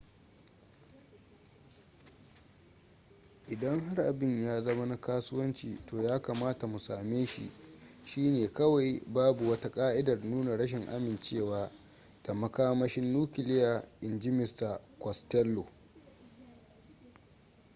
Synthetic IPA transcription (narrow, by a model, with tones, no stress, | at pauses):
ʔɪ˨dɐ˦ŋha˦rʔa˨bɪ˦ɲjaː˦zɐ˦ma˦na˦kaː˦sʊ˦wɐ˦nt͡ʃiː˨toː˨jaː˦kaː˨maː˦ta˨mu˨saː˨meː˦ʃḭ˨ʃiː˦neː˨kɐ˦wa˨jbaː˦bu˨wɐ˦ta˦kʼaː˦ʔɪ˦dɐ˨rnuː˦na˨ɽɐ˦ʃ̬ɪ˨ŋʔa̰˦mɪ˨nt͡ʃeː˦˨waː˦ | d̥a˨mɐ˦kaː˦mɐ˦ʃɪ˦nːuː˦kʲɪ˨lɪ˦ja˨ʔɪ˨nd͡ʒɪ˦mɪ˨˦sta˨kɔ˨stɛ˦lːo˨